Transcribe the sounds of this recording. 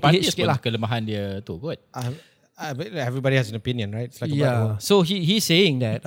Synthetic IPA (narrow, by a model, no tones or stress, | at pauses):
paisskelahkələmaɦandiət̪uɡʊt̚a | bɛlɛvɹibɔdihɛzɛ̃nopĩnjə̃nɹaɪt̚ɪ̥slajkjbaɔsoɦihisseɪ̃ŋd̪ɛt̚